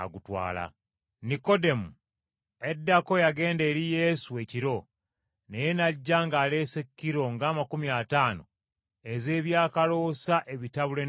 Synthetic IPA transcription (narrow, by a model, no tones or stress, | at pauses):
a̰ɡutwa̰ːla̰ | niko̞de̞mu | e̞dːako̞jaɡe̞ːnde̞ːɾije̞ːsue̞ciɾo̞ | nejenaɟːaːŋɡaːle̞ːsekːiɾo̞ŋɡaːmakumiataːno̞̰ | e̞ze̞ːβjaːkalo̞ːsaʔe̞βitaβule̞